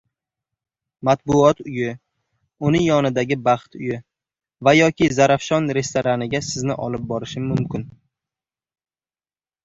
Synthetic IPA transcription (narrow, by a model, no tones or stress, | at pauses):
mat̪̚bʊɒt̪ʊjɪ | ʊnɪŋjɒnɪd̪aɡʲɪbɑχt̪ʊjɪ | vajɒkʲɪzaɾafʃɒnɾe̞st̪ʰoɾanɪɡʲasɪznɪʔɒlɪp̚bɒɾɪʃɪmːʊmkʲɪn